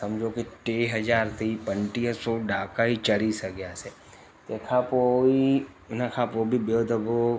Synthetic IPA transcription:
sɐmd͡ʒʱokeʈeːɦɐd͡ʒaːɾt̪ʰipə̃ɳʈijəsoɖaːkaɦit͡ʃɐɽisəɡjaːse | t̪ekʰapoi | nɐkʰapoːbʱibjod̪əbo

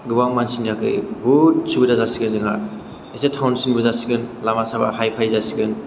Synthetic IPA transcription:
ɡɯbaŋmansinakɯ̰jbusubɯdazasiɡɯnzɯŋa̰ | esetʰawnsinbɯzasiɡɯnlamasaba̰hajpʰajzasiɡɯn

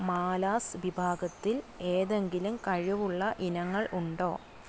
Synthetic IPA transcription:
maːlaːsʋibʱaːɡɐt̪ːile̞ːðe̞ŋɡilumkɐɻiʋuɭːɐʔinɐŋːɐɭʔuɳɖo̞̰ː

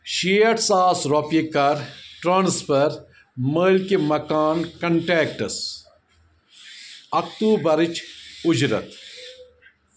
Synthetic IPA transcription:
ʃijɐʈsaːsɾopikɐɾʈɾaːnspɐɾ | məːlkemɐkaːnkɐɳʈeːkʈɐs | ɐkt̪uːbɐɾit͡ʃʊd͡ʒɾɐ̰t̪

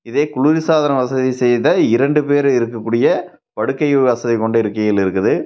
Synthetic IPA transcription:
ɪðeːkʊɭuɾɪsaːðɐnɐʋɐsɐðisɛjðɐɪɾɐɳɖɯpeːɾɪɾɯkːɐkːuːɽɪjɐ | pɐɽɯkːɐɪʋɐsɐðɪkɔɳɖɐɪɾɯkːɐjɪlɪɾɯkːɯðɯ

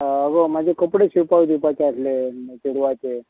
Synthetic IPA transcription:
əɡom̤ad͡ʑʱekəpɽeɕipaɡd̪ipat͡ɕeəsleɕuɽuʋat͡ɕe

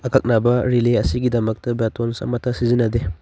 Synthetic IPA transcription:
ɐkʰɐk̚nabɐɾileɐsiɡidɐmɐk̚tɐbetonsɐ̰mɐtʰːɐsizinɐde

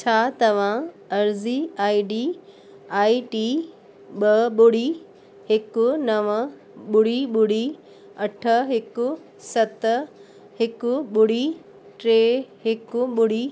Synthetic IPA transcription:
t͡ɕʰaːt̪ɐʋ̤ã | ɐɾziaːiɖiː | aːiʈiː | ɓɐɓʊɽ̤i | hɪkʊnɐʋə | ɓʊɽiɓʊɽ̤i | ɐʈʰə̆ɦɪkʊ | sɐt̪ | hɪkʊɓʊɽ̤i | ʈɾeːɦɪkʊɓʊɽ̤iː

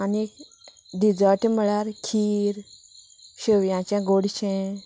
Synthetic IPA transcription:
ani | d̪id͡zaʈʰiməɭaɾkʰiːɾ | ɕəʋjãt͡ɕãɡoɽɕɛ̃

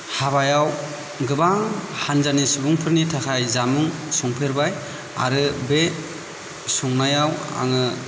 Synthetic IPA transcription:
haβajaw | ɡɯbaŋhanzanisubuŋpʰɯɾnitʰakʰajzamɯŋsɔŋpʰeɾbaj | a̰ɾɯbe | suŋnajawa̰ŋɯ

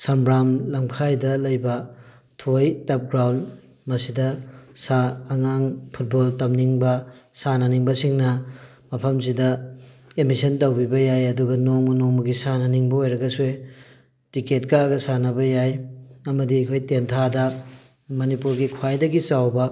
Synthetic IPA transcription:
sɐmbɾamlɐmkʰajdɐlɐjbɐ | tʰojtɐp̚ɡɾawnd | mɐsidɐsaːŋaŋpʰut̚boltɐmniŋbɐsanɐniŋbɐsiŋnɐ | mɐpʰɐms̬idɐ | emisɐntɐwbibɐjajɐduɡɐnoŋmɐnoŋmɐɡisanɐniŋbɐojɾɐɡɐsuj | tiket̚kaɡɐsanɐbɐjajɐmɐdiɐkʰojtentʰadɐ | mɐnipuɾɡikʰwajdɐɡit͡ʃawbɐ

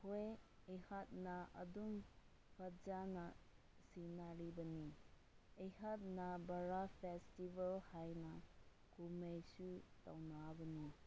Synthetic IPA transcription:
hoj | ehat̚nɐɐ̰dum | pʰad͡ʒanɐ | sinaɾibɐni | ejhat̚nabɐɾapʰestibalhajnɐ | ɡumejsuta̰wnabɐni

